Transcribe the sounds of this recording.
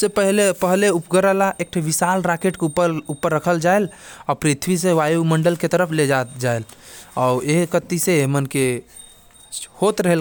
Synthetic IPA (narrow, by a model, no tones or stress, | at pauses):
sepəɦlepəɦleupɡəɾəlaʔek̚ʈʰaʋisalɾakeʈkeəupːəɾːəkʰəld͡ʒaelɔpɾit̪ʰʋiseʋajuməɳɖəlket̪əɾəpʰled͡ʒat̪d͡ʒaelɔːeɦkət̪iseemənke | hot̪ɾəɦel